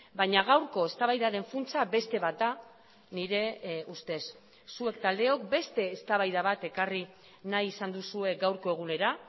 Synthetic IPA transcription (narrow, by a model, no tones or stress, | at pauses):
baɲaɣ̞awɾko̞e̞st̪aβajðaðe̞ɱfunt͡sabe̞st̪e̞βat̪a | niɾe̞ust̪e̞sː | ue̞k̚t̪ald̪e̞o̞k̚be̞st̪e̞ːst̪aβajðaβat̪e̞kari | najisand̪usue̞ɡawɾko̞e̞ɣ̞une̞ɾa